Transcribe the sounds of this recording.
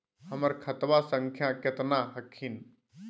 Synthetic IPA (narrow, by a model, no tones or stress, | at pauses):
hɐməɾkʰət̪ʋasə̃ŋkʰjãket̪naɦəkʰin